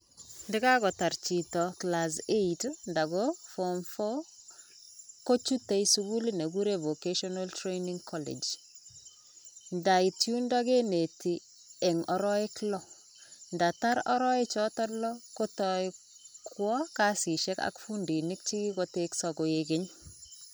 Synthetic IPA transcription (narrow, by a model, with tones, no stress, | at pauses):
ndɪ˦kaɡɔ˨ta˨ɾt͡ʃi˨tɔklas̬e˦itnda˨ɡofɔmfɔ˦ | ko˦t͡ʃu˦te˨jsuɡu˦lne˨ɡu˦ɾe˨vo˨keʃɔnaltɾe˦jniŋkʰɔlḛ˨d͡ʒ | nda˨i˨tjunda˦ɡe˦ne˨ti˨ | ɛ˨ŋɔ˨ɾɔ˦e˦klɔ˦ | nda˨ta˦ɾɔ̰˦ɾɔ˦e˦t͡ʃɔtɔ˦lɔko˦tɔɪ | kwɔ˦kasi˨ʃɛ˦ka̰kfundi˨ni˦kt͡ʃi˦ɡi˦ɡoteksɔɡoeɡe˦ɲ